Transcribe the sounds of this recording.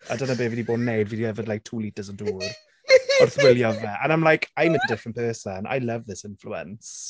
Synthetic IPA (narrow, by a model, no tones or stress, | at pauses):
ʔa̰dənəbeːviːdiboːdnejdviːdiɛvədlajk̚tʰuːlitəzəduːr | ɔrθwɪlˠjɔvmɛʔənãjmlajkʰajmɪdədɪfɹənpʰɜːˑsənʔa̰jləvðɪsɪ̃nfluə̰ns